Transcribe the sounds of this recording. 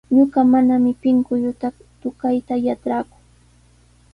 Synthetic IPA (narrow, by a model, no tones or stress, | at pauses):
ɲoɢɑmanamɪpɪŋkʊʎʊt̪ak | t̪ʊkajt̪ajaʈ͡ʂɾakʊ̥ŋ